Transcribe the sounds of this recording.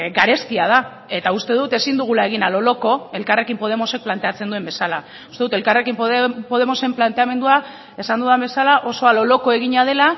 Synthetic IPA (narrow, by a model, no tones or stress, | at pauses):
ɡaɾe̞st̪iað̞a | e̞t̪aust̪e̞ðut̪e̞sind̪uɣ̞ulae̞ɣ̞inalo̞lo̞ko̞e̞lkare̞kimpo̞ð̞e̞mo̞se̞k̚plant̪e̞at͡se̞nd̪uembe̞sala̰ | ust̪e̞ðut̪e̞lkare̞kimpopo̞ð̞e̞mo̞se̞mplant̪e̞ame̞nd̪ua | e̞sand̪uðambe̞salaʔo̞so̞alo̞lo̞ko̞e̞ɣiɲað̞e̞la